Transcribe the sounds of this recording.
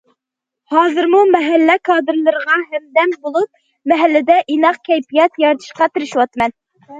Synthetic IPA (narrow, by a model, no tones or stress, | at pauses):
hɑːzɨɾmumɛɦælːækʰɑːd̪ɨɾlˠɨɾʁɑɦɛmd̪ɛmbolˠup̚ | mɛɦælːɪd̪ɛʔinɑqkʲʰɛjpijɛt̪jɑɾt̪ʰɨ̥ʃqɑt̪ɪɾɪʃwɑt̪mɛn